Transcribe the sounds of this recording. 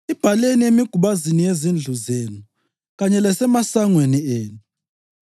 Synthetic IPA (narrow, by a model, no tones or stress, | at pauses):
ib̥ʱaleniemiɡ̥ʱuɓazinijezind͡ɮʱuzeːnu | ɣaɲɛlɛsɛmasaŋwenieːnu